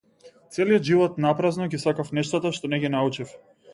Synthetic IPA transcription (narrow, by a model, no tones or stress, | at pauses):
t̪sɛlijɔd̪ʒivɔt̪napɾaznɔɡisakafnɛʃt̪at̪aʃt̪ɔnɛɡinaut͡ʃif